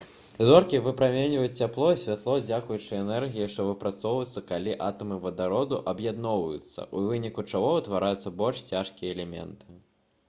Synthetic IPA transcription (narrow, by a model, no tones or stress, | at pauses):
zɔrkʲivɨpɾamʲenʲvɐjut͡sʲt͡sʲaplˠɔsʲvʲat̪lˠɔd͡zʲakujut͡ʂɨɛnɛrɣʲijiʂt̪ɔvɨpɾat̪sɔwvɐt̪sːɐkalʲiʔat̪ɐmɨvɐd̪aɾɔd̪uʔɐbjad̪nɔwvɐjut̪sːɐ̰ʔuvɨnʲikut͡ʂaɣɔut̪vaɾʔajut̪sːɐbɔlʲʂt͡sʲaʂkʲijɐɛlʲɛmʲɛ̰nt̪ɨ̥